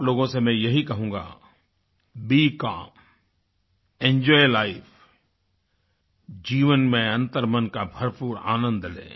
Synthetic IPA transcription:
ploːɡõsemɛ̃jɐɦikɐɦũːɡa̰ | biːka | ẽɲd͡ʒɔːjlaːɪfʰ | d͡ʒiːʋənmẽɐ̃nt̪əɾmənkabʱɐɾpuːɾa̰ːnə̃nd̪lḛː

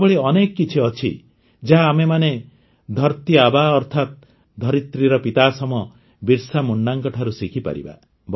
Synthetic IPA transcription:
bɔɭeɔnekɔkit͡ʃʰiɔt͡ʃʰḭ | d͡ʒaɦaːmemane | d̪ʱɔɾt̪iabaɔɾt̪ʰat̪̚ | d̪ʱɔɾit̪ɾiɾɔpit̪asɔmɔ | biɾsamuɳɖaŋkɔʈʰaɾusikʰipa̰ɾḭba̰ | b

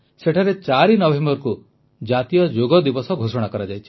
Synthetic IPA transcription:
seʈʰaɾet͡ʃaɾinɔbʱembɔɾku | d͡ʒat̪ijɔd͡ʒoɡɔd̪ibɔsɔɡʱosɔɽ̃akɔɾad͡ʒajt͡ʃʰi̥

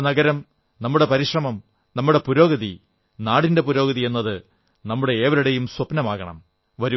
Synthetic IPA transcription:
nɐɡɐɾɐm | nɐmːuɽe̞pɐɾiʂrɐmɐm | nɐmːuɽe̞puɾo̞ːɡɐði | naːɽinde̞puɾo̞ːɡɐðie̞nːɐðɨ | nɐmːuɽe̞eːʋɐɾuɽejumswɐpnɐmaːɣɐɳɐ̰m | ʋɐɾu

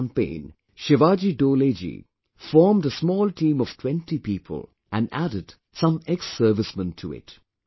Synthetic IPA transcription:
mpḛ̃ɪ̃n | ʃɪʋad͡ʒidoːled͡ʒḭ | fɔːmdəsmɔːlˠtʰĩːmɔv̥tʰw̥ɛ̃ntipiːpʰə̰lˠ | ʔæ̃næ̰ɾɪd̥ | sʌ̃mɛksɜ˞vɪsmə̃ntʰuɪ̰t

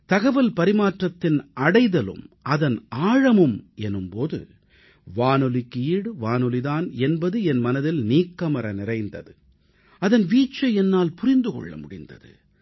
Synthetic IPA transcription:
t̪ɐɣɐʋɐlpɐɾɪmaːʈrɐt̪ːɪnʔɐɽɐɪðɐlɯ̰mʔɐðɐnaːɻɐmɯmɛnːɯmpoːðɯ̰ | ʋaːnɯlɪkːiiːɽɯʋaːnɯlɪðaːnɛnbɐðɯɛnmɐnɐðɪlniːkːɐmɐɾɐnɪrɐɪnd̪ɐðɯ | ɐðɐnʋiːt͡ʃːɐɛnːaːlpʊrɪnd̪ɯkɔ̰ɭːɐ̰mʊ̰ɽɪ̰nd̪ɐ̰ðɯ̰

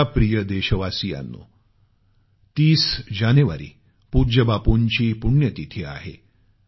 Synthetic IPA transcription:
apɾijəd̪eɕəʋasija̰nːo̰ | t̪iːsd͡ʑanuʋa̰ɾḭː | pud͡ʑəbapoɲt͡ɕiːpuɳjət̪it̪ʰeːa̰ɦḛ

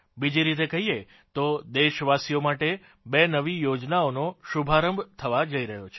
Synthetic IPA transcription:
bid͡ʒiɾit̪̬ekəɦije | t̪od̪eʃʋasijomaʈe | benəʋijod͡ʒnaonoʃubʱaɾəmbʱt̪ʰəʋad͡ʒəiɾəɦjot͡ʃʰe̥

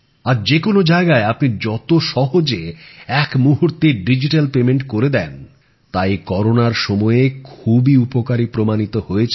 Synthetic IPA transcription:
aɾd͡ʑekonod͡ʑaeɡaeapnid͡ʑɔt̪oʃɔɦod͡ʑeɛkmuɦuɾt̪eɖid͡ʑiʈalpemeɳʈkoɾed̪ɛn | t̪ajkɔɾonaɾʃɔmɔekʰubiupokaɾipɾomanit̪ohoet͡ɕʰ

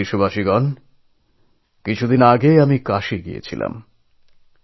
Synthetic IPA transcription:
iʃubaʃiɡɔn | kit͡ɕʰud̪inaɡejamikaʃeɡiḛt͡ɕʰila̰m

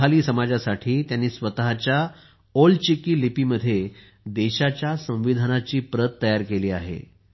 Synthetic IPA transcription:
aliːsəmad͡zasaʈʰiːt̪janːiːsʋət̪aɦat͡ɕja | olt͡ɕikiːlipiːməd̪ʱːje | d̪eɕat͡ɕjasə̃w̃ʋid̪ʱanat͡ɕiːpɾət̪ːəjaɾkeliːa̰ɦḛ

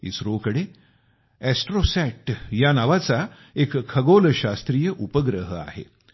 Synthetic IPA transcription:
ḭsɾokəɽe | ɛsʈɾosɛʈjanaʋat͡sa | ekʰːəɡoləɕast̪ɾiːjəʔupəɡɾəɦəa̰ɦḛ

